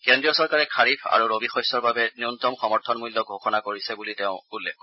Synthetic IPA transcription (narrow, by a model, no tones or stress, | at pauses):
kɛndɹijɔsɔɹkaɹɛkʰaɹipʰa̰ɹuɹobixɔjsɔɹbabɛniʊntɔmxɔmɔɹtʰɔnmulːɔɡʱoxɔnakoɹisɛbulitɛʊ̃ulːɛ̰k̚